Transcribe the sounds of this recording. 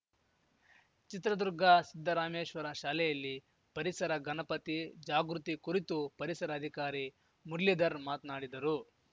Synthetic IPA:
t͡ʃit̪ɾɐd̪uɾɡʱɐsid̪ʱːɐɾaːmeːʃʋɐɾɐʃaːlɛjɐlːi | pɐɾisɐɾɐɡɐnɐpɐt̪id͡ʒaːɡɾut̪ikuɾit̪upɐɾisɐɾɐːd̪ʱikaːɾi | muɽlid̪ɐɾmaːt̪naːɽid̪ɐɾu

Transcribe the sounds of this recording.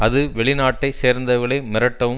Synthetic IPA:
ɐðɯʋɛɭɪnaːʈːɐɪseːɾnd̪ɐɣɐɭɐːmɪɾɐʈːɐʋɯ

